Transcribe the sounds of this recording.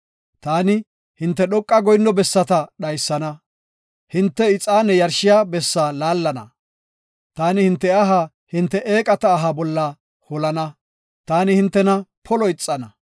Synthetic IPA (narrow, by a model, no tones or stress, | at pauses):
t̪aːnɪ | hɪnt̪ːɛɗɔkʼːɐɡɔjnːɔbɛsːɐt̪ɐɗɐjsːɐnɐ | hɪnt̪ːɛɪt͡sʼːaːnːɛjɐɾʃɪjaːbɛsːaːlaːlːɐnɐ̰ | t̪aːnɪhɪnt̪ːɛɐɦa | hɪnt̪ːɛʔeːkʼɐt̪ɐːɦɐbɔlːɐ | hɔlɐnɐ | t̪aːnɪhɪnt̪ːɛnɐpʰɔlɔjt͡sʼːɐnɐ